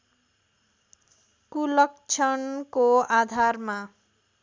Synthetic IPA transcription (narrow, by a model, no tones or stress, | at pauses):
kulʌkt͡sʰʌnkoad̪ʱarma